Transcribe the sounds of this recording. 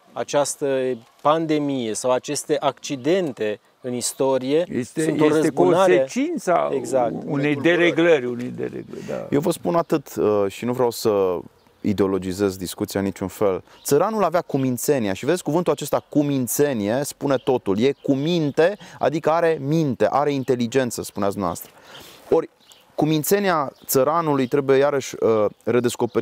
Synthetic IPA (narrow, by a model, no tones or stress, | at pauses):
at͡ʃast̪ə | pand̪e̞mije̞sawat͡ʃe̞st̪e̞ʔakt͡ʃid̪e̞nt̪e̞ | ɨnist̪o̞ɾije̞jest̪enj̪ɾeoɾəekonaet͡ʃint̪sa̰eɡzak̪unejd̪eɾeɡləɾʲunejd̪ḛɾḛɡləd̪a̰jewvəspunat̪ɨt̪əʃinuvɾeawsə | ḭd̪eo̞lo̞d͡ʒize̞zd̪iskut̪siaɨnit͡ʃunfe̞l | t̪səɾanulaveakumint̪se̞niaʃive̞d̪esʲkuvɨnt̪ulat͡ʃe̞st̪akumint̪se̞nie̞spune̞t̪o̞t̪ulje̞kumint̪e̞a̰d̪ikəaɾe̞mint̪e̞ʔaɾe̞int̪e̞lid͡ʒe̞nt̪səspuneatsd̪mːava̰st̪ɾəo̞rʲ | kumint̪se̞niat̪səɾanulujt̪ɾe̞buje̞jaɾəʃʲəre̞d̪e̞sko̞peɾi